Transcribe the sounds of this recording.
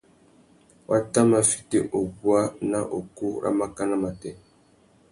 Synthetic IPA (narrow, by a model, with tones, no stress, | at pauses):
wʔa˦ta˦ma˨fi̥˦te˦ʔo˨ɡu˦a˦na˦ʔo˨ku˦˨ɾʔa̰˦ma˦ka˦na˦ma˨tɛ˨